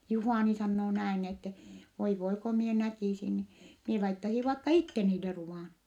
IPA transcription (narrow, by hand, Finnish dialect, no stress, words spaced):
juhɑˑni sɑnːoː næin etːe ʋoi ʋoi ko mie nækiˑsin ni mie lɑitːɑsi ʋɑikːɑ itːe niːlːe ruʋɑˑn